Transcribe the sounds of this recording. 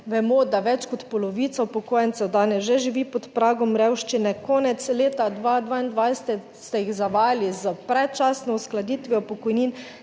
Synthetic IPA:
ʋɛmɔd̪aʋɛt͡ʃkɔt̪pɔlɔʋiːt̪sawpɔkoːjɛntsɛwd̪aːnɛsʒɛʒiʋiːpɔt̪pɾaːɡɔmɾɛwʃt͡ʃinɛkɔːnɛt̪sleːt̪ad̪ʋaːd̪ʋaːind̪ʋajsɛ̥t̪ɛ | st̪ɛjixzaʋaːlizəpɾɛtt͡ʃaːsnɔusklad̪iːt̪ʋiɔpɔkɔjniːn

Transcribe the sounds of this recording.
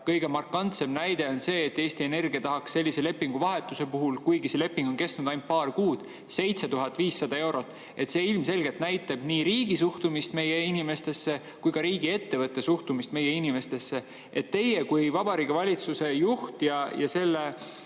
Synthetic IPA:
kɤjɡ̥e̞mɑrkːɑnt̪se̞mnæjd̪̥e̞o̞nse̞ːt̪ːe̞ːst̪ie̞ne̞rɡ̥iɑt̪ɑɦɑksːe̞lʲːise̞le̞pːiŋɡuvɑɦe̞t̪ːˑuse̞puɦulkujɡ̥ise̞le̞pːˑiŋɡ̥o̞nke̞st̪nud̪̥ɑjnt̪̚pɑːrkuːd̪̥ | se̞jt̪set̪uɦɑt̪ːˑviːsːɑd̪̥ɑe̞wɾo̞t̪ːˑ | e̞t̪seːilmse̞lɡ̥e̞lt̪næjt̪ːˑeb̥niːɾiːɡisuht̪umist̪me̞jeinime̞st̪e̞sːe̞ | kujkɑɾiːɡ̥ie̞t̪ːe̞vɤt̪ːe̞suht̪umist̪me̞je̞inime̞st̪e̞sːe̞ | et̪ːe̞jekujvɑbɑɾiːɡ̥ivɑlʲit̪suse̞juht̪jɑjɑse̞lːe

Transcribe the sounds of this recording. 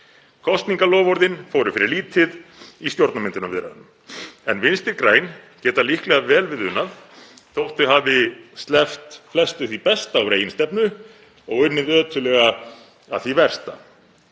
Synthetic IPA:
kʰɔst̪niŋkalɔːvɔɾðɪnfoːwɾʏfɪɾɪɾliːt̪ʰɪðist̪jowɾt̪namɪnt̪ɪnavɪɾa̰ðʏm | ɛnvɪnst̪ɪɾkɾaːjncɛːt̪alihklɛɣavɛːlvɪðʏnːaðθowht̪ʏɦavɪst̪lɛft̪flɛst̪ʏθipɛst̪aːwɾeːjɪnst̪ɛpnʏ | ɔɣʏnːɪðœːt̪ʏlɛːɣa | a̰ðθivɛr̥st̪a

